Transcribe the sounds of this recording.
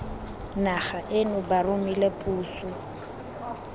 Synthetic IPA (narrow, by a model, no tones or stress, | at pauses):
naχaʔɪnʊbarʊmilepʼuːsʊ